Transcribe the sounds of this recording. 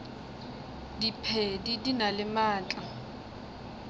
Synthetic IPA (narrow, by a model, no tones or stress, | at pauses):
dipʰedidinalɪmaːt͡ɬʼa